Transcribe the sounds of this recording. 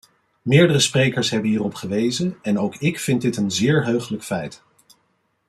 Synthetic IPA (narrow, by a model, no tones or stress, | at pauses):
mɪːɹdərəsprejkəɹsɦɛbənɦiːrɔpχəʋejzənɛnowkɪkfɪnt̚dɪtənzɪːɹɦøɥχələkfɛjt